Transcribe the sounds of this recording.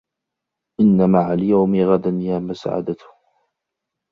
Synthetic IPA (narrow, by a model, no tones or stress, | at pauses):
ʔɪnːamaʕaljawmɪɣad̪anjaːmʊsa̰ʕa̰d̪at̪